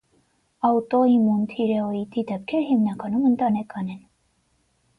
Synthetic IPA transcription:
ɑut̪ɔimunt̪ʰiɾɛɔit̪id̪ɛp̚kʰɛɾhimnɑkɑnumənt̪ɑnɛkʰɑnɛn

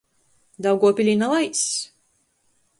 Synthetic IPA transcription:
d̪awɡuɔpʲilʲinalˠajs

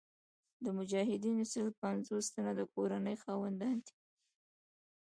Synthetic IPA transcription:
d̪əmʊd͡ʒɑɦɪd̪inosəlpanzost̪anad̪əkoɾanəjxɑwand̪ɑnt̪i̥

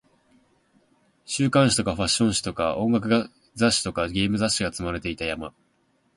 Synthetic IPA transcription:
ɕɨːkãɕi̥t̪o̞kaɸaɕːõ̞ɰ̃ɕi̥t̪o̞kaʔõ̞ŋɡak̬ɯ̟ɡa | zaɕːi̥t̪o̞kaɡʲe̞ːmɯ̟zaɕiɡat͡sɨmaɾe̞t̪e̞it̪ajama

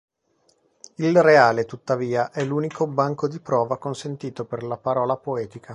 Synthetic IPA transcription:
ilreaːlet̪ut̪ːaviːaʔɛluːnikʰobaŋkod̪ipɾɔːvakonsent̪iːt̪operlapaɾɔːlapoɛːt̪ika

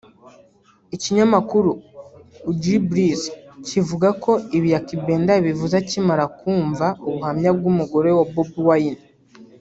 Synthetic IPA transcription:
iciɲamakuɾuː | ɟɾibɾizcivuɡako̞iβijakibe̞ːndaβivuzacimaɾakuːɱvauβuhamɲab̚ɡumuɡo̞ɾe̞wobubuwajin

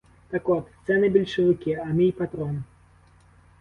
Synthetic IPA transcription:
t̪ɐkɔt̪st̪sɛnɨbʲilʲʂɨvɨkʲiɐmijpat̪ɾɔn

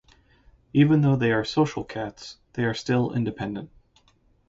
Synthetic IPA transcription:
ivɨ̃nðoʊðeɪə˞soʊʃl̩ˠkʰætsðeɪə˞stɪlˠɪ̰̃ndɨpʰɛ̃ndɨ̃nt̚

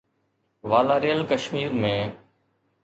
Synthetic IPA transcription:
ʋaːlaːɾeːəlkəʃmiːɾmẽː

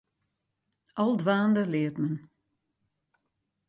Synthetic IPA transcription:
ʔɑlˠdʋaːndəlɪətmən

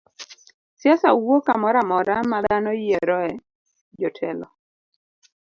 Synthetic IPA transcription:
sjasawokamɔɾamɔɾamad̪anɔjɛɾɔɛ | d͡ʒɔtʰɛlɔ

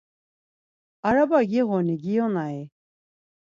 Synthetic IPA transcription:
aɾabaɡiɣɔniɡijɔnai

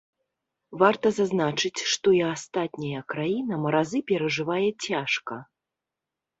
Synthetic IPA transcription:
vart̪ɐzaznat͡ʂɨt͡sʲʂt̪ɔiast̪at̪ʲnʲijɐkɾajinɐmɐɾazɨpʲɛɾɐʐɨvajɛt͡sʲaʂkɐ

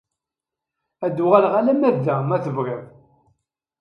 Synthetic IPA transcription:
æd̪ːʊʁælʁælæmævðæmæθəvɣəð

